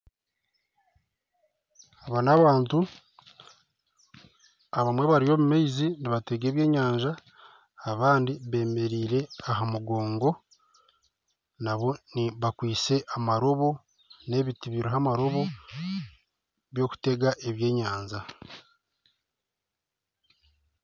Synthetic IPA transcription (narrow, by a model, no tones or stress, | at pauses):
aβanaβaːntu | aβamwe̞βaɾio̞βumejziniβate̞ɡe̞ːβje̞ːɲaːɲʒaː | βaːndiβe̞ːme̞ɾiːɾe̞aɦamuɡo̞ːŋɡo̞ | naβo̞niβakwiːt͡se̞ʔamaɾo̞βo̞ | ne̞βitiβiɾoɦamaɾo̞βo̞ | βjo̞ku̥te̞ɡaʔe̞βje̞ːɲaːɲza